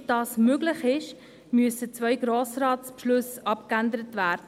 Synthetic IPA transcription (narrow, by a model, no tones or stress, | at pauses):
d̥ɑːsmøɡlɪχɪʃ | myəsət͡svœʏɡɾoːsrɑːtpʃlɵsɑpkændəɾətvæːɾdə